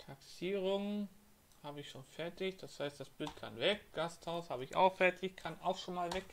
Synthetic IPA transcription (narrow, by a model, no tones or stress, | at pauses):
tʰaksiːʁ̞ʊŋn | haːbəɪçʃoːnfɛɐtɪçd̥ashaɪstd̥asb̥ɪlt̚kʰanvɛkɡ̥asthaʊshaːbəɪça̰ʊxfɛɐtʰɪçkʰanaʊxʃoːnmaːlvɛk